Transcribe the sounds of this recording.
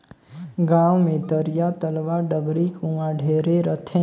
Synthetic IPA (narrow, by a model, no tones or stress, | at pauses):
ɡãwmẽd̪əɾjat̪əlʋaɖəɡɾikũʋãɖʱeɾeɾət̪ʰẽ